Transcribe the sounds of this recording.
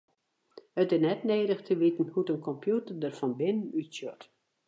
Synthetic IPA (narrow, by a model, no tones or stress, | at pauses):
ətɪsnɛtneːɾəxtʰəʋitən̩hutənkʰɔmpʰjutərdərfɔnbɪnənytsjɔt